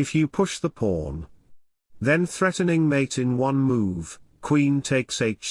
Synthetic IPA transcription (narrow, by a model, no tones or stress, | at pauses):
ɨfjɨpʰʊʃðəpʰɔ̰ɹn | ðɨ̃nθɹɛʔn̩ɪ̃ŋmeɪɾɨ̃nwʌ̃nmuv̥kʰw̥ĩntʰeɪkseɪ